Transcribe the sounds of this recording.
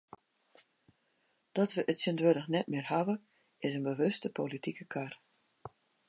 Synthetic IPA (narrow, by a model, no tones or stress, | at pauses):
d̥ɔtʋəʔətsəndʋødəxnɛt̚mɪrhaʋə | ɪsənbəʋɵstəpolitikəkʰar